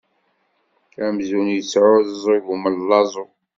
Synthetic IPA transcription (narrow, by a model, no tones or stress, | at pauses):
æmzunjət͡sːʕʊðəzˤiɣuməllːɑzˤo